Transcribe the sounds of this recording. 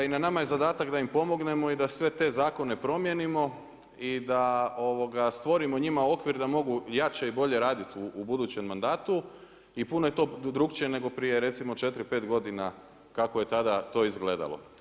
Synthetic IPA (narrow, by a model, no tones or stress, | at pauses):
inanamaje̞zad̪aːt̪akd̪aimpo̞mo̞ɡne̞mo̞id̪asʋe̞t̪e̞zaːko̞ne̞pɾo̞mjenimo̞ | id̪ao̞ʋo̞ɡast̪ʋo̞ɾimo̞ɲimao̞kʋiɾd̪amo̞ɡujat͡ɕeibo̞ʎe̞ɾaːd̪it̪uːbud̪uːt͡ɕe̞mːand̪aːt̪u | ipuno̞je̞t̪o̞ːd̪ɾukt͡ʃiene̞ɡo̞pɾije̞ɾe̞t̪simo̞t͡ʃe̞t̪ɾipe̞ːt̪ɡo̞d̪ina | kakoje̞t̪ad̪at̪o̞ːizɡle̞ːd̪a̰lˠo̰